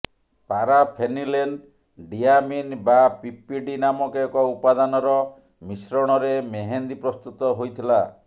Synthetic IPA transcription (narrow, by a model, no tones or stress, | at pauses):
paɾapʰenileɳɖ | ɖiaminbapipiɖinamɔkeɔkɔupad̪anɔɾɔ | misɾɔɽ̃ɔɾemeɦend̪ipɾɔst̪ut̪ɔɦojt̪ʰila